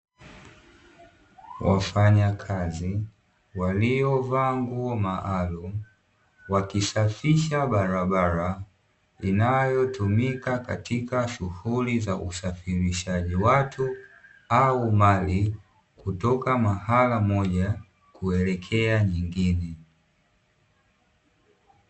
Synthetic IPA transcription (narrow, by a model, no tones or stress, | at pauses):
wa̰faɲakʰazi | waliɔvaŋɡumaʔalum̩ | wakisafiʃaɓaɾaɓaɾa | inajɔtumikaka̰tʰikaʃuhulizaʔusafiɾiʃaʄiwatʰu | aumali | kutɔkamahalamɔʄa | kuɛlɛkʰɛaɲiŋɡinɛ